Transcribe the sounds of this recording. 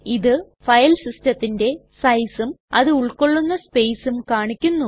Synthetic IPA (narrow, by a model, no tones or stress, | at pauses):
iðɨ | fɐjɐlsistɐt̪ːinde̞sɐjsumɐðɨuɭko̞ɭːunːɐspe̞jsumkaːɳikʲːunːu